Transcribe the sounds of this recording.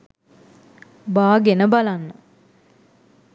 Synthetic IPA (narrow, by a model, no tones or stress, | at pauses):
baːɡenəbalanːə